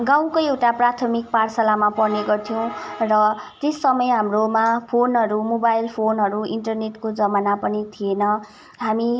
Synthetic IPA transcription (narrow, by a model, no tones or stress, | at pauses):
ɡaw̃koewʈaprat̪ʰʌmik̚parsalamapʌrneɡʌrt̪ʰijʌw̃rʌt̪esːʌmʌjɦamromapʰonɦʌɾumobajlpʰonɦʌɾuiɳʈʌrneʈkod͡zʌmanapʌnit̪ʰienʌ | ɦami